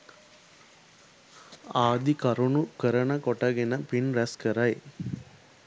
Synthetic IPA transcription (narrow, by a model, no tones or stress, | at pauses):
aːd̪ikɐɾunukəɾənəkoʈɐɡenəpinɾæskəɾaj